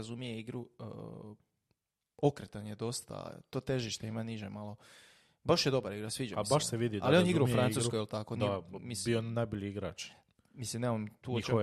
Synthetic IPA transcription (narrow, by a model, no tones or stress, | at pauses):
azumijeiɡɾu | o̞kɾet̪anjed̪o̞st̪a̰t̪o̞ːt̪e̞ʒiʃt̪eimaniʒemalˠo̞ | baʃjed̪o̞baɾiɡɾasʋiːd͡ʒa̰baʃseʋid̪idallioniɡɾaufɾanuskojelˠt̪ako̞namibionajboʎiiɡɾa̰ːt͡ʃ | mislimnemamt̪uːo